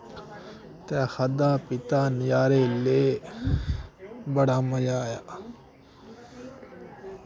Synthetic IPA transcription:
t̪ɛːxɐd̪aːpɪt̪aːnjaːɾeleː | bɐɽaːmɐjaːja

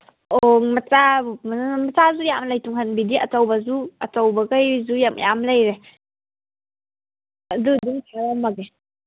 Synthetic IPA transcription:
oŋmat͡ʃammat͡sazujamlajtuŋhanbidiɐ̰tawbazuat͡sawbaɡajzujamjamlajɾe | adɯduŋtʰaɾɔmːaɡe

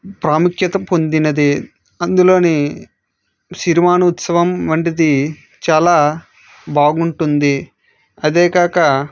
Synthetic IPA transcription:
pɾaːmukjɐt̪ɐpond̪inɐd̪i | ɐnd̪ulo̞ːni | siɾimaːnɐut̪sɐʋɐmʋɐɳʈid̪i | t͡ʃaːlaː | baːɡuɳʈund̪i | ɐd̪eːɡaːkɐ

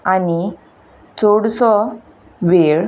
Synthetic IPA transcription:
ani | t͡soɽsɔ | ʋeɾ

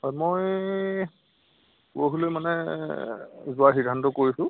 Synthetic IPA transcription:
ɔjmoj | puoɦulemanɛ | zʊwaxidʱːantɔkoɹisʊ̃

